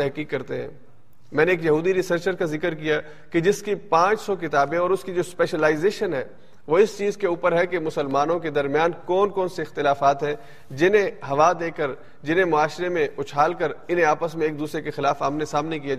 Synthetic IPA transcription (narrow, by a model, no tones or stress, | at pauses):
t̪ɛɦkiːkːɐɾt̪eɦɛ̰̃ː | mɛ̃ːneːkjɐɦuːd̪iɾɪsəɾt͡ʃəɾkazɪkəɾkija | ked͡ʒɪskipãːt͡ʃsɔk̬ɪt̪aːbẽɔːɾʊskid͡ʒoːspɛːʃəlaːɪzeːʃənɦɛː | ʋoɪst͡ʃiːzkeuːpəɾɦɛkemʊsəlmaːnõked̪ɐɾmjaːnkɔːnkɔːnseɪxt̪ɪlaːfaːt̪ɦɛ̃ | d͡ʒɪnẽɦɐʋad̪eːkəɾ | d͡ʒɪnẽmʊaːʃɾemẽʊt͡ʃʰaːlkəɾɪnɦẽaːpəsmẽeːk̚d̪uːsɾekexɪlaːfaːmnesaːmnek̬ijaa